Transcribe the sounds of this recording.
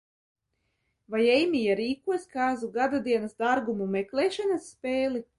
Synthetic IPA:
vajɛjmʲijaɾiːkuɔsʲkaːzuɡad̪ad̪iɛnasd̪aɾɡumumɛklɛːʃanasːpʲeːlˠi

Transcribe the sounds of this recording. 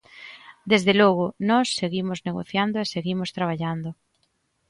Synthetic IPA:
d̪ezðelɔɣ̞ʊnɔsːeɣimozneɣo̰θjand̪oeseɣimʊst̪ɾaβ̞aʎand̪o

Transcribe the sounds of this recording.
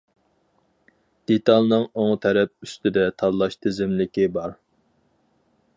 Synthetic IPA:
d̪̥et̪ʰɑlˠnɨŋoŋt̪ʰɛɾɛp̚yst̪ɪd̪ɛt̪ʰɑd̪lˠɑʃt̪ʰɪzɪmlɪkʲibɑɾ

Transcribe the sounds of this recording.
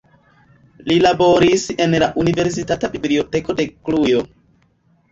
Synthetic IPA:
lilabo̞ɾise̞nlaʔunive̞ɾs̬itatabiblio̞te̞ko̞de̞klujo̞

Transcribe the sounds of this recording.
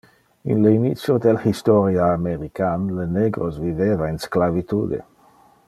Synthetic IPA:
ḭnleinit̪sjod̪elhist̪ɔɾjaːmeɾikanləneɡɾosvivevainsklavit̪uːd̪ḛ

